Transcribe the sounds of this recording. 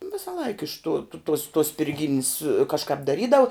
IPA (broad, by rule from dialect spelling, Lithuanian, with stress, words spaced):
ˈʋʲɪsɐlˠɐɪk ɪʃ tuː tuɔs tuɔs sʲpʲɪrʲˈɡʲiːnʲɪs kɐʃˈkɑːp dɐˈrʲiːdɐw